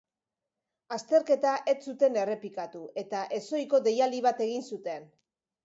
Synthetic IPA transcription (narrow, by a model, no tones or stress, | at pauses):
ast̪e̞ɾke̞t̪aʔe̞t͡sːut̪e̞ne̞re̞pikat̪ue̞t̪aʔe̞so̞jko̞d̪e̞jaliβ̞at̪e̞ɣ̞insut̪e̞n